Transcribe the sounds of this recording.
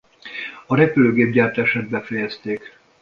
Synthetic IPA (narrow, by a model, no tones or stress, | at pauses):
ɒɾɛpyløːɡeːb̚ɟaːrt̪aʃaːd̪̚bɛfɛjɛst̪eːk